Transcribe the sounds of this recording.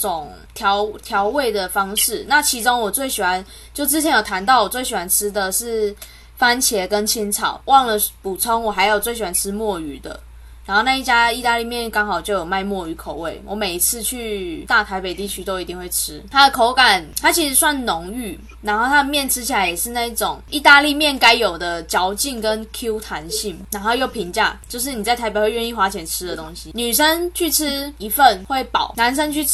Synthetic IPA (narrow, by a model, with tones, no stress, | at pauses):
ʈ͡ʂo˨˩ŋ | t̪ʰjɑ˧˦ʊt̪ʰjɑ˧˥ʊwe˥˩ɪd̪ə˩fɑ˥ŋʂɻ̩˥˩na˥˨˩t͡ɕʰi˧˥t͡so˥ŋwɔ˨˩t͡swe˥˩ɪɕi˨˩wa˧˦n | t͡ɕjo˥˩ʊt͡sɻ̩˥t͡ɕʰɛ˧˦njt̪ʰa˧˦nt̪ɑ˥˩ʊwɔ˨˩t͡swe˥˩ɕi˨˩wa˧˦nʈ͡ʂ̩ʰ˥d̪ə˨ʂɻ̩˥˩ | fa˦˥nt͡ɕʰjɛ˧˥kə˦nt͡ɕʰi˥nt͡sʰɑ̰˨˩˦ʊwʔɑ˥˩ŋlə˨pu˨˩t͡sʰɔ˦˥ŋwɔ˨˩ɦa˧˥ɪjo˨˩ʊt͡swe˥˩ɪɕ̬i˨˩wa˧nʈ͡ʂʰɻ̩˦˥mwɔ˥˨˩y˧˥˦d̪ə̰˨ | na˧˦nxo˥˧ʊna˥˧i˥˩t͡ɕja˥i˥˧t̪a˥˧li˥˨mjɛ˥˩nkɑ˥ŋxɑ˨˩ʊt͡ɕjo˥˧ʊjo˨˩ma˥˧ɪmwɔ˥˩y˧˥kʰo˨˩ʊwe˥˩ɪwʔɔ˧˦me˨˩ɪi˧˥t͡s̩ʰ˥˧t͡ɕʰy˥˧t̪a˥˩t̪ʰa˧˥ɪpe˨˩ɪt̪i˥˩t͡ɕʰy˥t̪o˥ʊi˧˥t̪i˥˧ŋxwe˥˩ɪʈ͡ʂʰɻ̩˦t̪ʰa˥d̪ə˨kʰo˧˥ʊka˨˩nt̪ʰa˥t͡ɕʰi˧˥ʂɻ̩˧˥swa˥˩nnʊ˧˦ŋy˥˩ | na˧˥nxo˥˩ʊt̪ʰa˥˩mjɛ˥˩nʈ͡ʂʰɻ̩˥t͡ɕʰi˨la˧˦ɪjɛ˨˩ʂɻ̩˥˧na˥˧i˥˩ʈ͡ʂo˨˩ŋi˥˧t̪a˥˧li˥˧mjɛ˥˩nka˥ɪjo˨˩ʊd̪ə˦t͡ɕjɑ˧˥ʊt͡ɕi˥˨ŋkə˦nkʰu˦˥t̪ʰa˧˦nɕi˥˩ŋna˧˥nxo˥˧ʊjo˥˩ʊpʰi˧˥ŋt͡ɕja̰˥˩t͡ɕjo˥˧ʊʂ̬ɻ̩˥˩ni˨˩t͡sa˥˩ɪa˧˥ɪe˨˩xwe˥˧ɪɥɛ˥˧ni˥˩xwa˧˥t͡ɕʰjɛ˧˥nʈ͡ʂʰɻ̩˥d̪ə˨t̪o˦ŋɕi˧˦ny˨˩ʂə˦˥nt͡ɕʰy˥˩ʈ͡ʂ̩ʰ˥i˧˥fə˥˨nwe˥˩ɪpɑ̰˨˩˦ʊna˧˦nʂ̬ə˦˥nt͡ɕʰy˥˨